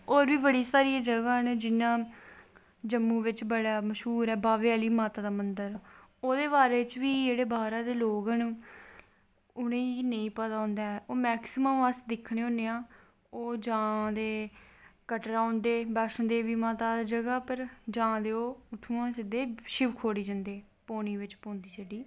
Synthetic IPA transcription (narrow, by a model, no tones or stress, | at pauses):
oːɾʋiːbəɽiːsaːɾiːaːd͡ʒəɡaːɦənd͡ʒɪnãː | d͡ʒəmːũːʋɪt͡ʃbəɽaːməʃɦuːɾɛːbaːʋeːaːliːmaːt̪aːd̪aːmənd̪əɾɛoːd̪eːbaːɾeːt͡ʃʋiːd͡ʒeːɽeːbaːɾãːd̪eːloːɡanũː | ʊnẽːinəĩːpət̪aːɦõːnd̪aːɛʔoːmɛːksɪməməsd̪ɪkʰːɽẽːɦõːneːãː | oːd͡ʒãːd̪eːkəʈɾaːõːnd̪eːbaːʃənd̪eːʋiːmaːt̪aːd̪aːd͡ʒəɡaːpəɾd͡ʒãːd̪eːoːʊt̪ʰːũːãːsɪd̪eːʃɪʋkʰoːɽiːd͡ʒə̃nd̪eː | poːniːʋɪt͡ʃpõːnd̪iːt͡ʃəɖiː